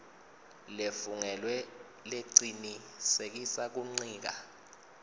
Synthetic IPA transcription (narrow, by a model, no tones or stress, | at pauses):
lefuŋɛlwɛ | leǀini | sek̬isak̬uŋ͡ǀiːk̬a̰